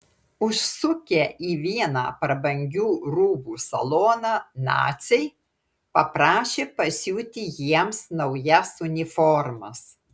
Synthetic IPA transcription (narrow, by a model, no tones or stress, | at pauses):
ʊʃsʊkʲeʔiːʋʲiɛnɑ̰ːpɾɐbɐŋʲɡʲuːɾuːbuːsɐ̰lˠoːnɑːnɑ̰ːt̪sʲɛɪ | pɐpɾɑːʃʲeːpɐsʲuːt̪ʲɪjiɛmsnɐʊjɛsʊnʲɪfɔɾmɐs